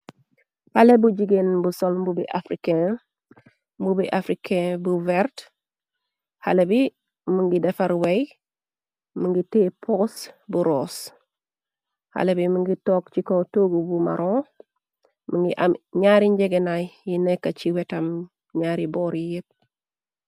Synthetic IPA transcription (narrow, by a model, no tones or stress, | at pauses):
halebuɟiɡenbusolmbubiʔafɾikẽ | mbubiʔafɾikʰẽbuvɛɾt | halebi | muŋɡidɛfaɾwej | muŋɡitepʰosbuɾoːs | ha̰lebimuŋɡitoːkt͡ʃikotoːɡubuma̰ɾõ | muŋɡiʔamɲaːɾiɲɟeɡenajjinɛkːat͡ʃiwɛtɐm | ɲaːɾibɔːɾijit̚